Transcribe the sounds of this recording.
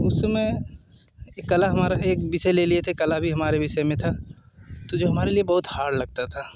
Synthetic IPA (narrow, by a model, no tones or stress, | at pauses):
ʊsmẽ | kɐlaɦɐmaːɾaeːk̚bɪseleliet̪ʰekɐlabʱiɦɐmaːɾebɪsɛmẽt̪ʰa | t̪od͡ʒoːɦɐmaːɾeliebɐɦʊt̪haːɾlɐɡ̚t̪at̪ʰa